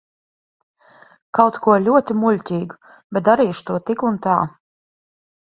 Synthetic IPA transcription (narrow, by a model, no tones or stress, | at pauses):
kawt̪kuɔlʲuɔt̪imulʲt̪ʲiːɡu | bʲet̪̚d̪aɾiːʃt̪uɔt̪ikunt̪a̰ː